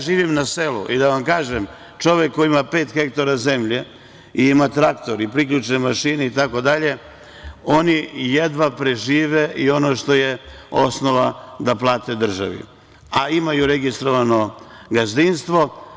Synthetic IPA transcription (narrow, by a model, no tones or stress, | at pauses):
ʒiːʋimnaselṵʔid̪aʋamkaːʒem | t͡ʃo̞ʋekːojiimapeːt̪xe̞kt̪oɾaze̞mʎe | iimat̪ɾakt̪o̞ɾipɾikʎut͡ʃnemaʃineit̪ako̞d̪aʎe̞ | o̞nijed̪ʋapɾe̞ʒiːʋeʔio̞noʃt̪o̞je̞o̞sno̞ʋad̪aplˠaːt̪e̞d̪r̩ʒa̰ʋḭ | aimajuɾe̞ɡist̪ɾo̞ʋano̞ɡazd̪inst̪ʋo̞